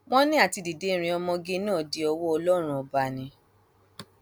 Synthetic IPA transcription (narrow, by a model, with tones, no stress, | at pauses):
w̃ɔ̃˦nĩ˦a˦˨ti˧di˨de˦˧ɾ̃ĩ˧ɔ˧mɔ̃˧ɡe˦nũ˦o˦˨de˨˦ɔ˧wɔ˦ɔ˧lɔ˦ɾ̃ũ˦ɔ˨ba˨nĩ˧˦